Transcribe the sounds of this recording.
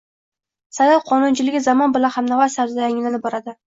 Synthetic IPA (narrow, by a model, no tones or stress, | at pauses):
sajalqʰɒnʊnt͡ʃʰɪlɪɡʲɪzamɒnbɪlanhamnavasaɾzaɪŋʲɪnɪnɪbɒɾad̪ɪ